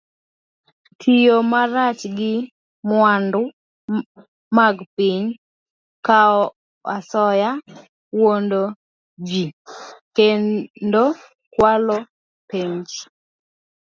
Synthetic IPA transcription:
tʰijomaɾat͡ʃɡɪ | mwandʊ | maɡpɪɲ | kaɔ | asɔja | wondo | d͡ʒikedo | kwalo | peɲd͡ʒ

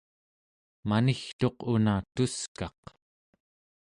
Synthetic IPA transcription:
manixt̪o̞qunat̪uskɑq

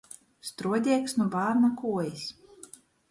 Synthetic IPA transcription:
st̪ɾuɔd̪ʲɛɛksnubaːɾnakuɔjis

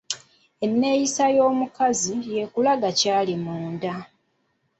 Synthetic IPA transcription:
e̞nːe̞jisajo̞ːmukazije̞kulaɡacaːlimuːnda

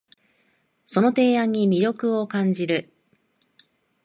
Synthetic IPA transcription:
so̞no̞t̪e̞ːãɲ̟ːimʲiɾʲo̞kɯ̟o̞kãɲd͡ʑiɾɯ̟

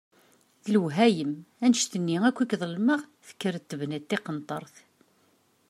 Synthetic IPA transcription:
θləwɦæjəmænəʃt̪ənːiækʷːikðˤəlməʁθə̥kːəɾət̪ːəvnæt̪ːɪqənt̪ˤːəɾˤθ

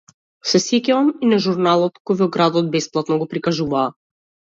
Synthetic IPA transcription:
sɛsicɛɔminaʒuɾnalˠɔt̪kɔjvɔɡɾad̪ɔd̪̚bɛsplˠat̪nɔɡɔpɾikaʒuvaː

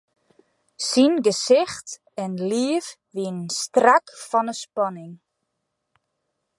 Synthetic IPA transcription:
sinɡəsɪxt | ɛnliəf | ʋiənnstrakfɔnəspɔnɪŋ

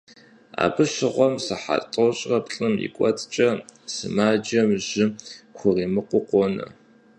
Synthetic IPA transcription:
a̰ːbɨʃɪʁʷɔmsɨħa̰tʼoɕʼrɐpɬʼɨmjḭkʷʼɔt͡sʼt͡ʃʼɐsɨmaːd͡ʒɐmʑɪxʷʊriːmɨqʷʊqʷɔnɐ̰

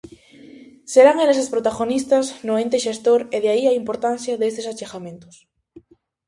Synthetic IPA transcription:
seɾaŋeles̬espɾot̪aɣonist̪ɐznoent̪eʃest̪oɾeðeaiaimpoɾt̪an̟θjaðest̪esat͡ʃexamẽnt̪ʊ̥s

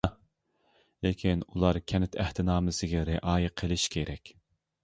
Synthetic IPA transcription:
lekʲʰinulˠɑɾkʲʰɛnɪt̪ʰæht̪ʰɪnɑːmɪsɪɡʲɛɾeʔɑːjɪqʰəlˠɪʃkʲʰeɾɛkʲ

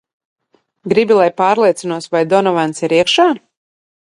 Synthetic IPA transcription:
ɡɾibʲilˠajpaːɾlˠiɛt̪sinuɔsvajd̪ɔnɔvant̪siɾiɛkʃaː

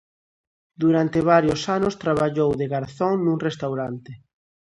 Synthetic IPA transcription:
d̪uɾant̪eβ̞aɾjosanʊst̪ɾaβ̞aʎowðeɣaɾθɔŋnuŋrest̪awɾant̪ɪ

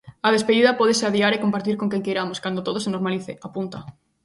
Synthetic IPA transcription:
að̞espeðiðapoð̞eseaðiaɾekompaɾt̪̬iɾkoŋkeŋkejɾamoskand̪ot̪oð̞osenoɾmaliθeʔapunt̪a

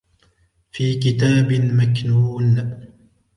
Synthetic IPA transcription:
fiːkɪt̪aːbɪmaknuːn

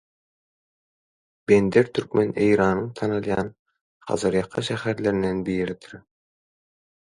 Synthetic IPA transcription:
b̥end̪eɾt̪ʰyɾkmene̞jɾɑːnɯŋt̪ʰɑnɯlˠjɑ̰ːn | χɑ̰zɯɾjɑqʰːɑʃæhæɾle̞ɾind̪enbiːɾit̪ʰɯɾ

